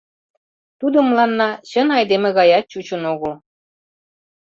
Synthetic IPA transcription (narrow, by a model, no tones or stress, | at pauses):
t̪ud̪ə̆mlˠɑnːɑɕə̆nɑjd̪emĕɣɑjɑt̪̚t͡ɕut͡ɕə̆noɣɤ̆l